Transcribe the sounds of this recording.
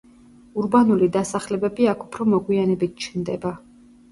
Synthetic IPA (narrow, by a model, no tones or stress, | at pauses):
uɾbanulid̪asaχlɛbɛbiakʰu̥pʰɾɔmɔɡwianɛbit̪̚t͡ʃʰnd̪ɛba